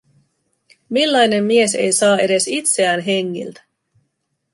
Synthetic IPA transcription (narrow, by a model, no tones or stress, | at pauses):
milːɑjne̞mːie̞se̞jsɑːe̞ɾe̞sit̪se̞æːnɦe̞ŋːḭlt̪æ̥